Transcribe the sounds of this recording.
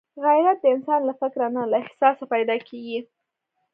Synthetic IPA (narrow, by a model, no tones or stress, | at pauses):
ɣajɾat̪̚d̪əɪnsɑnlafɪkɾanalaɪhsɑsapajd̪ɑkʰeɡi